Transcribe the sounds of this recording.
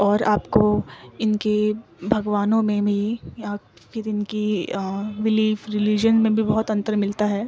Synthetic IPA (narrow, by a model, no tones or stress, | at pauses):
ɔːɾaːpkoɪnkebʱɐɡʋaːnõmẽbʱijapʰɪɾɪnki | ɾɪliːfɾɪlid͡ʒənmẽbʱibɔɦʊt̪ɐ̃nt̪əɾmɪlt̪aɦɛː